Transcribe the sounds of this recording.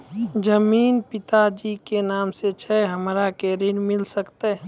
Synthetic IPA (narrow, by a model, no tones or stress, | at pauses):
d͡ʒəmiːnpɪt̪ad͡ʒikenaːmset͡ʃʰɛɦəmɾakeːɾinmɪlsəkt̪eɦ